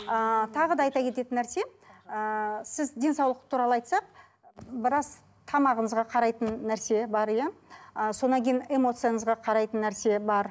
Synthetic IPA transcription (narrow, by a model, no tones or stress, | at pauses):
ət̪ʰɑʁəd̪ɑɑjt̪ɑkʲʰe̞t̪e̞t̪ɪnːæɾse̞ | əsɪzd̪e̞nsɑwlˠəqt̪ʰuɾɑlˠəɑjt̪sɑq | bɪɾɑz̥ | t̪ʰɑmɑʁəɴəzʁɑqʰɑɾɑjt̪ənːæɾse̞bɑɾjɑso̞nɑŋkʲʰe̞jne̞mo̞t̪sɨjaɴəzʁɑqʰɑɾɑjt̪ənːæɾse̞bɑɾ